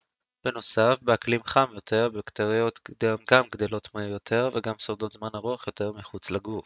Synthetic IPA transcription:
b̥e̞no̞safbeaklimχamjo̞t̪ʰe̞ʁbekt̪aʁijo̞t̪dmɡamɡd̪e̞lo̞t̪mejot̪ʰe̞ʁveɡamsoʁd̪o̞t̪zmanaʁuaχjo̞t̪e̞ʁmiχut͡slaɡuf

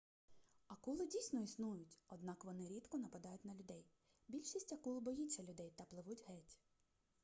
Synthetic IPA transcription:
ɐkulˠɪdʲijsʲnɔisnujʊtʲɔd̪nɑkʋɔnɪɾʲit̪kɔnɐpɐd̪ɑjʊtʲnɐlʲʊd̪ɛj | bʲilʲʃisʲtʲɐkulˠbɔjit͡ʃʲɐlʲʊd̪ɛjt̪ɐplˠɪʋutʲɦɛtʲ

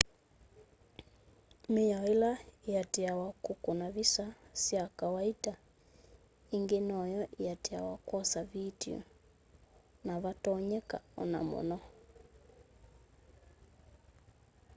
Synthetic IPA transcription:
mejaelaeateawakokonaβisasjakawaita | iŋɡenɔjɔʔijatea̰wakwɔsaβitiɔ̰ | naβatɔɲɛka̰ɔ̰na̰mo̰nɔ

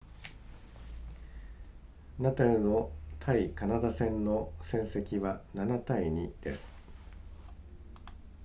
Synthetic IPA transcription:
nat̪aɾɯ̟no̞t̪ʰaikanad̪asẽ̞nno̞sẽ̞ɰ̃se̞kʲiβananat̪aiɲ̟id̪̥e̞sɨ̥

